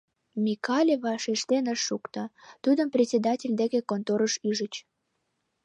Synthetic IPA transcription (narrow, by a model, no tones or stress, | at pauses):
mʲikɑlʲeβɑʃeʃt̪enəʃːukt̪ɑt̪ud̪əmprʲetsʲed̪ɑtʲelʲd̪ekekont̪oɾəʃyʒət͡ɕ